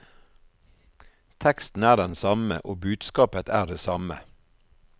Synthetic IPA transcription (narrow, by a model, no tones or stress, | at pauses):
t̪ʰɛkst̪n̩æːɖɛnsɑmə̰ʔoːbʉːd̪skɑːpət̪æːɖeːsɑmə̰